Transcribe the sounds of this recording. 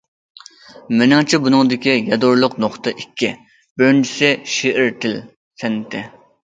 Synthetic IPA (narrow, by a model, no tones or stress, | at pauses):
mɪnɑŋt͡ʃʰibunɨŋd̪ɪkʲijɛd̪oɾlˠʊqnoχt̪əʔikʲʰːi | bøɾnd͡ʒi̥sɪʃeʔɪɾt̪ʰɪl | sɛnːɪt̪ʰɪ